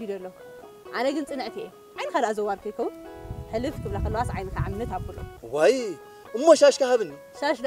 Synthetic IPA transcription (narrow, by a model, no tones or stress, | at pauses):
id̪ɐlːɐ | ʔanɐɡɨnt͡sʼɨnɨʕt̪ʰiʔe | ʕajnɨxad̪ʔazɐwaɾkʰɐjkʰɐwnħɨlɨfkʰɨβlakʰɐlːɐwasʕajnɨkaʕamnɐt̪aβkʰulo̰waj | ʔɨmːoʃaʃkahaβɨni | ʃaʃd̪